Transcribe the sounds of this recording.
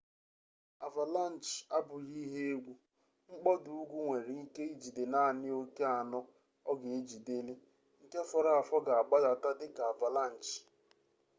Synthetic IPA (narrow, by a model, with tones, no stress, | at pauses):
a˨va˨la˦n̩˨t͡ʃa˦bʊ˨ɣi˦ɦe˦e˦ɡʷu˦ | ŋ͡m̩˦k͡pɔ˦dʊ˨u˦ɡʷu˦ŋʷe˨ɾi˨i˦ke˦i˦d͡ʒi˨de˨na˦a˨nɪ˦o˦ke˦a˨nɔ˦ | ɔ˦ɡe˨e˦d͡ʒi˨de˦le˦ | ŋ̩˦ke˦fɔ˨ɾa˦˨a˨fɔ˦ɡa˨a˨ɡ͡ba˦da˨ta˦dɪ˦ka˨a˨va˨la˦˨n̩˨t͡ʃ